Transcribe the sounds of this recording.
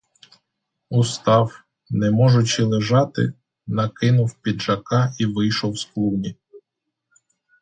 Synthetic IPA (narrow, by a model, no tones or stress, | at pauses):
ust̪ɑw | nɛmɔʒʊt͡ʃɪlˠeʒɑt̪ɪ̰ | nɐkɪnʊwpʲid̪ʒɐkɑiʋɪjʃɔwsklˠunʲi